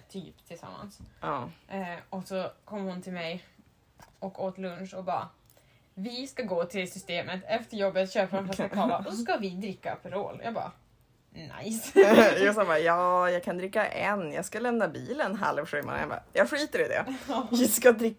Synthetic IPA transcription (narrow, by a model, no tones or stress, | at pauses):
t̪ʰy̰ːpt̪ʰɪlsa̰mːa̰nsɑː | ɔsɔkʰɔmːhʊnt̪ʰɪlmɛj | ʔɔkoːt̪lɵnʂɔbɑ̰ː | vɪskaɡoːt̪ʰɪlsʏst̪eːmət̪ʰɛft̪əɾjɔbːət̪ɕøːpaɾɔnfasakʰɑːvaɔsɔskavɪd̪ɾɪkːa̰pʰɾo̰ːljɑ̰ːɡbɑ̰ː | na̰jsjʊsanbɑːjɑːjɑːɡkʰand̪ɾɪkːaʔɛnjɑ̰ːɡskalɛmnabiːlənɦa̰lvɧʉːma̰n̰abɑ̰jɑːɡɧɭyːt̪əɾɪd̪ɛ̰ɪskad̪ɾɪkː